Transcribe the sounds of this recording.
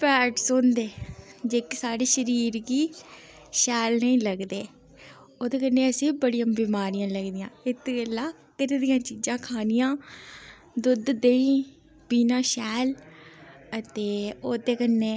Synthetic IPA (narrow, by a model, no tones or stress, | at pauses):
pɛːʈsʊnd̪eːd͡ʒeːksaːɽeːʃəɾiːɾɡiː | ʃɛːlnəĩːləɡd̪eː | oːd̪eːkənːeːəsĩːbəɽijãːbiːmaːɾijãːləɡd̪ɪjãːɪt̪ːɡəlaː | kɪɾed̪ɪjãːt͡ʃiːd͡ʒãːkʰaːnɪjãː | d̪ʊd̪d̪eːĩː | biːnãːʃɛːl | ət̪eːoːd̪eːkənːeː